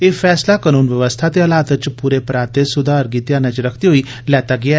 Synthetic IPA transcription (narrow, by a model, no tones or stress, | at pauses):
eːfʰɛːslakanuːnʋjəʋəst̪ʰat̪eəlaːt̪ət͡ʃpuːɾepɾaːt̪esʊd̪ʱaəɾɡiːt̪jãːnɛ̃t͡ʃɾəkʰt̪iɦoiː | lɛːt̪aɡɪa